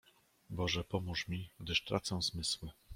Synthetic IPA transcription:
bɔʐɛpɔmuʂmʲiɡd̪ɘʂt̪ɾat̪sɛw̃zmɘswɘ

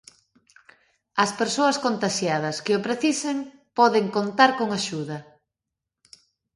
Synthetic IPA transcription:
ɐspeɾsoɐskont̪aʃjað̞ɐskɪʊpɾeθiseŋ | pɔðeŋkont̪aɾkoŋaʃuðɐ

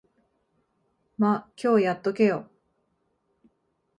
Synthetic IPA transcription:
makʲʰo̞ːjat̪ːo̞ke̞jo

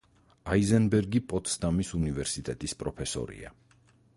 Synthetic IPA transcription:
aizɛnbɛɾɡipʼɔt̪st̪ʼamisunivɛɾsit̪ʼɛt̪ʼispʼɾɔpʰɛsɔ̰ɾḭa

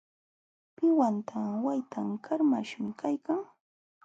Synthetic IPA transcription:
pɪwant̪ʰawajt̪ʰamkʰaɾma̰ʃmɪkʰajkaŋ

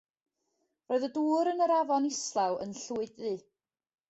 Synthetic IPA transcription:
roːɨðəduːɾənəɾavɔnɪslˠawə̰nɬuɨdɨ

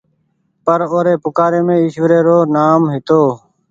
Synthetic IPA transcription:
pəɾoːɾeːpʊkaːɾeːmẽːɪʃʋəɾeːɾoːnaːmɦɪt̪oː

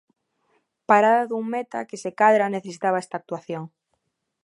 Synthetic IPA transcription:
paɾaðaðuŋmet̪a̰kesekaðɾaneθesit̪aβaest̪aːk̚t̪uaθjoŋ

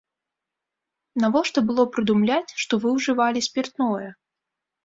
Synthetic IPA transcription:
navɔʂt̪ɔbɨlˠɔpɾɨd̪umlʲat͡sʲʂt̪ɔvɨwʐɨvalʲisʲpʲirt̪nɔjɛ

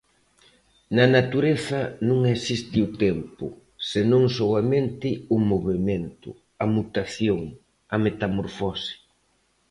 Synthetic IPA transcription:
nɐnat̪uɾeθɐnũŋɛsist̪ɪʊt̪ɛmpʊ̰ | senõŋsɔwament̪ɪʊmoβement̪ʊ̰ | ɐmut̪aθjoŋ | ɐmet̪amoɾfɔsi̥

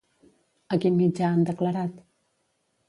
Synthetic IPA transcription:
əkinmid͡ʒaːnd̪əkləɾat̪

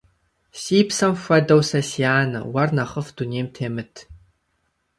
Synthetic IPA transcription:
siːpsɐmɕʷɐdɐwsɐsiaːnɐ̰wɐrnɐχəfd̥uneːmtʰeːmɨtʰ

